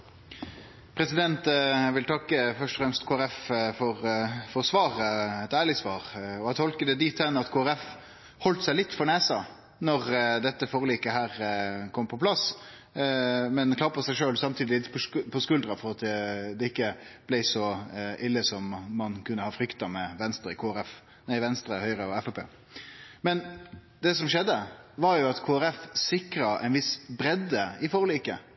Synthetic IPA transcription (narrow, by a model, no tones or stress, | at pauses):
pʰɾɛsɪd̪ɛnt̪ʋɪlt̪ʰɑkːəfœʂʈɔfɾɛmst̪kʰoːæɾɛffɔɾfɔɾsʋɑːʁəɛt̪æːɭɪsʋɑːʁɔɛt̪ʰɔlkəd̪əd̪iːt̪ʰːɛnɑt̪kʰoːæɾɛf | hɔlt̪sæɪlɪt̪ːfɔɳeːsɑ | nɔʁd̪ɛt̪ːəfoːʁliːkəɦæːʁkʰɔmpʰɔpʰlɑs | mɛnkʰlɑːpʰɔsæɪʂøːlsɑmt̪ʰiːd̪ɪlɪt̪ːpʰɔpʰɔskʉld̪ɾɑfɔɾɑt̪̚d̪d̪ɛɪkːəb̥læɪsɔʔɪlːəsɔmːɑnkʉnːəhɑːfɾʏkt̪ɑmɛʋɛnst̪ɾəɪkʰoːæɾɛf | næɪʋɛnst̪ɾəhœʏɾəɔɛfɛpʰḛː | mɛn | d̪ɛːsɔmʃɛd̪ːəʋɑɾjʊɑt̪kʰoːæɾɛfsɪkɾɑʔɛ̰ɪnʋɪsbɾɛd̪ːəɪfoːʁliːkə